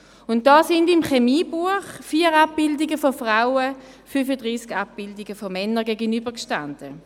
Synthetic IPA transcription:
ʊnt̚d̥aːsɪndɪmχemiːbuəχfiːəʁap̚b̥ɪldiɡəfɔfʁaʊə | fyfədʁiːskap̚b̥ɪldiɡəfɔmɛnəɡɛːɡənybəkʃtand̥ə

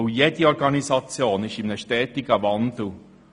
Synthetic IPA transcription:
ujed̪iɔɾɡ̥ɑnisɑt͡sjoːnɪʃɪmnəʃtɛːt̪ɪɡ̥əʋɑnd̪̥l̩

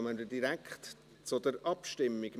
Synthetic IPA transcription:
mədədiɾækχt | t͡sʊdəɾɑpʃtɪmːiɡ̥

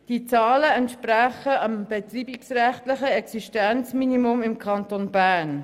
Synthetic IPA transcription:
d̥it͡sɑːləɛntʃpræχəɑmb̥ɛt̪riːbiksrɛχtlɪχəɛksiʃtɛnt͡sminimʊmɪmkʰɑntonbæːɾn

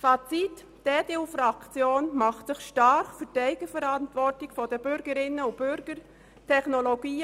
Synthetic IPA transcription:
fat͡sit | d̥eːdeːufɾɑkt͡sjoːnmɑχtsɪχʃtɑɾχfyːdæɪɡ̥əfəɾɑntʋɔtɪkfɔd̥əbʏɾɡəɾɪnəʊb̥ʏɾɡ̥əɾ | tʰɛχnoloɡiː

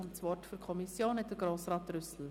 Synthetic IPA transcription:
nsvɔrtfyɾkʰɔmisjoːnɛt̚d̥əɡ̥ɾoːsɾɑːtrʏsl̩

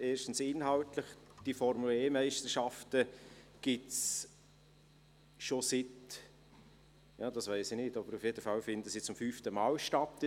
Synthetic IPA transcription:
eːɾʃtn̩sɪnɦɑltləχd̥ifɔɾmuleːmæɪʃtəɾʃɑftəɡ̥ɪts | ʃosɪt | jɑːd̥ɑsʋæɪsɪnɪtɑbəɾufjedəfɑlfɪnd̪əsit͡sʊmfyːftəmɑːlʃtɑtː

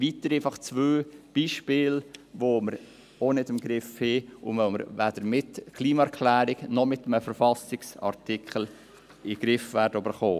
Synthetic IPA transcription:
ʋitəɾeɪfɑχt͡svøːb̥iːʃpɪːlvoməɾ | onɪtɪmɡɾɪfheʊ̰moʊməɾvæd̥əɾmɪtkʰliːmɑɛɾkʰlæːɾɪɡnɔmɪtəməfəɾfɑsɪksɑ̰ɾtikχəl̩ | ɪɡ̥ɾɪfvæɾdəybəɾχoː

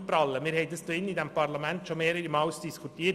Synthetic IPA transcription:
pɾɑləʋɪlheɪt̪əst̪oːɪnːiːd̪ɛmpɑɾɭɑmɛnt̪ʃɔmeːɾəɾimɑʉst̪iskʰʊʈʰiːəɾ

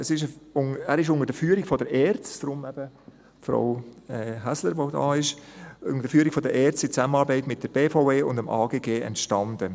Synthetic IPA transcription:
əsɪʃʊŋæːɾɪʃ̬ʊŋəɾd̥əfyːəɾiɡ̥fɔdəɾɛːɾt͡sd̥ɾʊmɛb̥ə | fɾa̰ʊɛɦæsləɾʋodɑ̰ːɪʃʊ̰ŋəd̥əfyːəɾiɡ̥fɔdəɾʔɛːt͡sɪt͡sæmənɑːɾbɛɪtmɪt̚d̥əɾb̥eːfoʊeːʊndəmʔaːɡeːɡeːɛ̰ntʃtɑnd̥ə

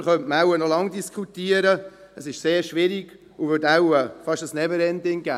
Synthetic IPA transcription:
χœntmawənɔlɑŋdiskʰχutiəɾəəsɪʃseːɾʃʋɪɾiɡ̥ | uvʏtaʊwəfɑʃəsnɛvəɾɛndɪŋɡæ̰ː

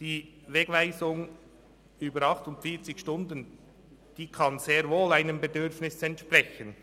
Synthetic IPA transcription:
d̥iː | veːɡ̥vaɪzʊŋ | yːbəɾɑχtʊntfiːt͡sɪçʃtʊndən | d̥iːkʰɑnz̥eːɾvoːlaɪnəmbedʏɾfnɪsɛntʃprɛçən

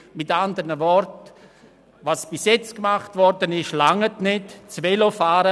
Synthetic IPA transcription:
mɪtandəɾnəvɔɾt | vasb̥ɪsjɛt͡skmaχtvɔɾdənɪʃlaŋətnɪtt͡svɛlofaːɾə

